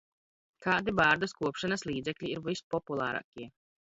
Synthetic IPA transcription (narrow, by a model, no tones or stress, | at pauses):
kaːd̪ibaːɾd̪askuɔpʃanɐslˠiːd̪zɛkʎʲiːɾvispɔpulˠaːɾa̰ːkʲiɛ